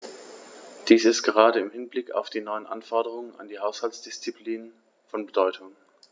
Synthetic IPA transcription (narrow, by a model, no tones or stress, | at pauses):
d̥iːsɪstɡ̥əʁ̞aːdəɪmhɪnblɪka̰ʊfd̥iːnɔʏənʔa̰nfɔɐdəʁ̞ʊŋəna̰ndiːɦaʊshalsd̥ɪst͡sipʰliːnən | fɔnbədɔʏtʰʊŋ